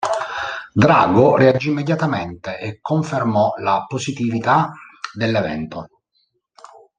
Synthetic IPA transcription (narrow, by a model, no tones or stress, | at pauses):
d̪ɾa̰ːɡoread͡ʒiːmːed̪jat̪ament̪eʔekːoɱfermɔlaposit̪ivit̪ad̪elːevɛ̰nt̪o